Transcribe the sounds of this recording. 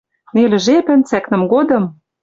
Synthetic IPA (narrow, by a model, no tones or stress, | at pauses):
nelɘ̆ʒepɘ̆nt͡sæknɘ̆mɡod̪ɤ̆m